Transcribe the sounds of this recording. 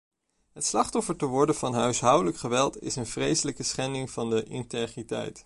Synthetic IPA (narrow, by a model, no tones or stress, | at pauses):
ɦətslɑχtɔfəɹtəʋɔɹdənv̥ɑnɦœɥsɦɑwdələkχəʋɛlˠtɪ̰sənv̥rejsələkəsχɛndɪŋv̥ɑndəʔɪntejχritɛ̰jt